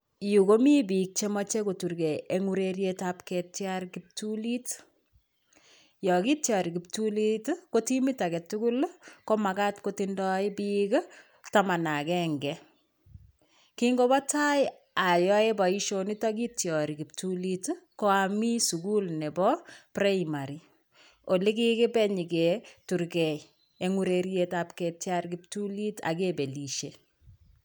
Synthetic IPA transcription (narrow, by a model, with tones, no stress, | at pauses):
ju˨ko˦mi˦bik̚t͡ʃe˦mɔ˦t͡ʃe˦ko˨tu˨ɾke˨e˦ŋu˦ɾeɾjetapkɛtjaɾkip̚tulit | jɔ˨ki˦tjɔ˨ɾi˨ki˨p̚tulitko˦ti˦mita˨kɛ˨tu˦ku˦lko˦ma˨ka˦tko˦tindɔɪ˦bik | tama˨na˨kɛŋɡɛ | kiŋɡo˦ba˦ta˦ɪ | a˨jɔ˦e˦ba˨iʃonitak̬itjɔ˨ɾiki˨p̚tulitko˦ami˦suɡu˦lnɛ˨bɔ˦pɾaimaɾi | o˨li˦kɪkɪ˦bɛ˦ɲi˨ketu˨ɾkɛ | eŋu˦ɾeɾjetapketjaɾkip̚tuli˦ta̰kebe˨liʃe